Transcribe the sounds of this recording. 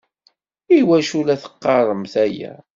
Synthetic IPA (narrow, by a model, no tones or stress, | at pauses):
iwæʃulæθə̥qːɑrˤəmθæjæ̰